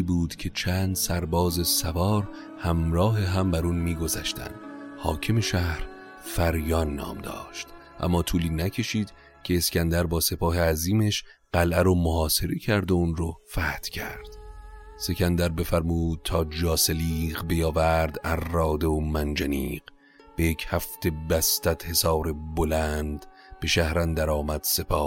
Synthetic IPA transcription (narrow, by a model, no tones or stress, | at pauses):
buːd̪̥cʰe̞t͡ʃʰæːnd̪sæɾbɒːze̞sævɒːɾ | hæmɾɒːɦeɦæmbæɾuːnmiːɡo̞zæʃt̪ʰæ̰nd̪̥hɒːcʰemeʃæhɾ | fæɾjɒːnːɒ̰ːmd̪ɒ̰ːʃt̪ | ʔæ̰mːɒːt̪ʰuːliːnæcʰe̞ʃiːd̪ | cʰe̞ːskʲænd̪æɾbɒːse̞pʰɒːɦeæziːmeʃ | ɢ̥ælʔæɾomohɒːse̞ɾecʰæɾd̪ounɾofæːt̪cʲʰæɾd̪̥se̞cʰʲænd̪æɾbe̞fæɾmuːd̪̥̚t̪ʰɒːd͡ʒɒːseliːʁbejɒːvæɾd̪ærːɒːd̪eomænd͡ʒænḭːɢ | b̥e̞jecʰhæft̪e̞bæst̪æd̪̥he̞sɒːɾe̞bolænd̪ | b̥e̞ʃæhɾænd̪æɾɒːmæd̪̥se̞pʰɒː